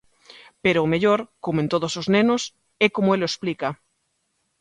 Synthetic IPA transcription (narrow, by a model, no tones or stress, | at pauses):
peɾoːmeʎoɾkomoent̪oð̞osoznenos | ekomoeloesplika